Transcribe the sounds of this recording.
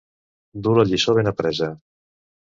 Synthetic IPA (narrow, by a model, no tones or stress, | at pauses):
d̪uləʎisoβenəpɾɛzə